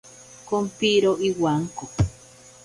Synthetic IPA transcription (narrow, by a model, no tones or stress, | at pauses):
kompiɾoʔiwaŋko